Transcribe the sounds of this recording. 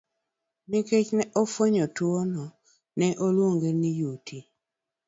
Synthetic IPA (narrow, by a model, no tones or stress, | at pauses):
niket͡ʃnɛʔofoɲotwonɔ | nɛʔolwoŋɡenijutʰi